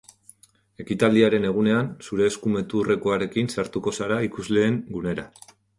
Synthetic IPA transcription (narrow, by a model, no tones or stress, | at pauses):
e̞kit̪ald̪iaɾe̞ne̞ɣ̞une̞ansuɾe̞ːskume̞t̪ure̞koaɾe̞kinsaɾt̪uko̞saɾaikuzle̞ːŋɡune̞ɾa